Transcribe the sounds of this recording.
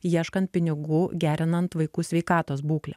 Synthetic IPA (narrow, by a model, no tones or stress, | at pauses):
jiɛʃkɐnt̪̚pʲɪnʲɪɡʊːɡʲæːɾʲɪnɐnt̪ʋɐɪkuːsʲʋʲɛɪkɑːt̪oːsbuːklʲɛ